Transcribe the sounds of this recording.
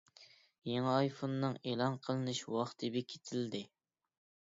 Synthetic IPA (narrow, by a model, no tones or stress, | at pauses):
jeŋɪɑjfonːɨŋeːlˠɑnqʰəlˠɨnɨʃwɑχt̪ʰɨbɪkʲʰe̥t̪ʰɪld̪ɪ